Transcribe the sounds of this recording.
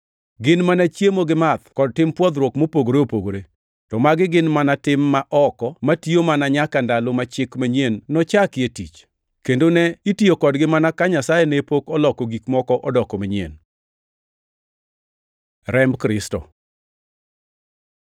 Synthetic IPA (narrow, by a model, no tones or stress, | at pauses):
ɡɪnmanat͡ʃjemoɡɪmat̪kɔd̚tɪmpwɔd̪ɾwɔkmopoɡoɾeopoɡoɾe | tɔmaɡɪɡɪnmanatɪmːaʔɔkɔmatiomanaɲakandalomat͡ʃɪkmaɲenːɔt͡ʃakɪetit͡ʃ | kendonɛitiokɔdɡɪmanakaɲasajɛnepokɔlɔkɔɡikmɔkɔʔɔdɔkɔmaɲiḛn | ɾɛmkɾɪstɔ̰